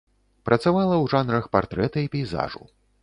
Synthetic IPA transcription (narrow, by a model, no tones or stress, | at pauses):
pɾʔɐt̪savalˠɐwʐanɾɐxpart̪ɾɛt̪ɐipʲɛjza̰ʐṵ